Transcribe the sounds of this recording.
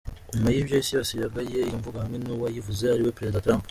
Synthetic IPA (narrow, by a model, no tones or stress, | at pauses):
majibjajisiasijaɡajejoɱvuɡahamŋenuwajivuzehaɾiwepeɾe̞zid̪atɾãmp